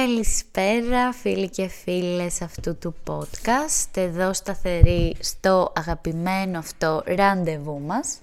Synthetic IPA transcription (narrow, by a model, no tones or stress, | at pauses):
ɐlispe̞ɾɐfilice̞file̞sɐft̪ut̪upo̞t̪kɐst̪e̞ðo̞st̪ɐθe̞ɾist̪o̞ʔɐɣɐpime̞noɐft̪o̞ɾɐnd̪e̞vumɐs